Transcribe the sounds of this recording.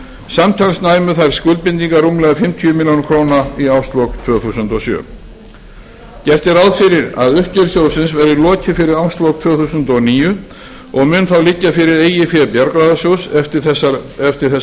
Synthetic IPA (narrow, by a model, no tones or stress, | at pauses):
samt̪ʰajlsnaːjmʏθajɾ̥skʏlt̪̚pɪnt̪̬iŋkarumlɛɣafɪmt̪ʰiʏmɪljownkʰɾoːwnaiawst̪lowkt̪ʰv̥œːɣθusʏnt̪ɔsjœ̰ː | cɛft̪ɪɾawðfɪɾɪɾa̰ðʏhcɛɾsjoːwsɪnsvɛɾilɔːcɪfɪɾɪɾawst̪lowk̚t̪ʰv̥œːθusʏnt̪ɔɣniːjʏ | ɔɣmʏnθawlɪcːafɪɾɪɾeːjɪfjɛːpjaɾkɾaðasjoːwsɛft̪ɪɛɛft̪ɪɾ̥θɛ